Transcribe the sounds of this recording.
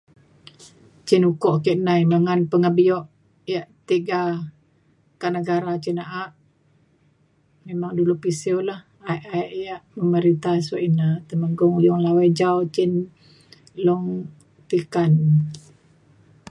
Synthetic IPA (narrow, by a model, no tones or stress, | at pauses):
t͡ʃinukɔʔkiʔnajməŋanpəŋəbiɔʔ | jaʔt̪iɡa | kaʔnəɡaɾat͡ʃinaʔaʔ | memaŋdulupisiolah | aʔaiʔjaʔməməɾint̪aswaʔinat̪əməŋɡʊŋujɔŋlawajd͡ʒawt͡ʃin | lɔŋ | t̪ikan